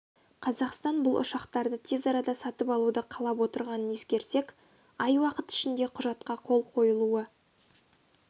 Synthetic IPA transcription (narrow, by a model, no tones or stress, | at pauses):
qʰɑzɑqst̪ɑnbʊlˠʔʊ̰ʃɑqt̪ɑɾd̪ət̪ʰe̞zɑɾɑd̪ɑsɑt̪əpɑlˠud̪əqʰɑlˠɑp̬wo̞t̪əɾʁɑnəne̞skʲe̞ɾt̪e̞kʲ | ɑjwɑqət̪ɪ̥ʃɪnd̪eqʰʊʒɑt̪̚qɑqʰo̞lˠqʰo̞jəlˠuə